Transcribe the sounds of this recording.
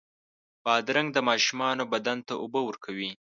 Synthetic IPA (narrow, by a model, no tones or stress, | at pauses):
b̥ɑd̪ɾaŋɡd̪əmɑʃumɑnobad̪ant̪aʔʊbəwəɾkʰawi